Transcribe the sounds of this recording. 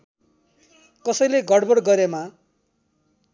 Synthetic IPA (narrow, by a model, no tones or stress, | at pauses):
kʌsʌjleɡʌɽbʌɽɡʌɾema